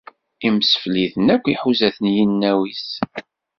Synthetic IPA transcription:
imsə̥fliθənækʷːiħuzæθənjinːæwis

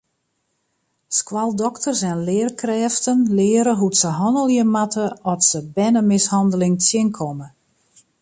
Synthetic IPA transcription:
skwalˠdɔktərsɛnlɪərkrɛːftənlɪːɾəɦutsəɦɔnəlˠjəmatəɔtsəbɛnəmɪshɔndəlɪŋtjɪnkʰɔmə

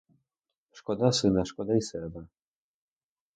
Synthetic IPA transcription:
ʂkɔd̪asɨnaʂkɔd̪aisɛba

